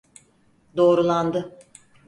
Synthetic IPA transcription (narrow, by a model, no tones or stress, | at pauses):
d̪o̞ːɾulˠand̪ɯ